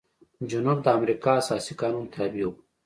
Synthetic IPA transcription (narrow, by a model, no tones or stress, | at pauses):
d͡ʒunubd̪əːmɾikaːsaːsikɑːnunt̪eaːbijo